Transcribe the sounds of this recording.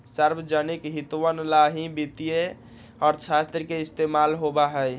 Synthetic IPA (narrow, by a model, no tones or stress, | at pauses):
səɾbəd͡ʒənikɦit̪uwənlaɦibit̪ije | ɔːɾt͡ʃʰast̪ɾkeist̪emalɦobaɦəj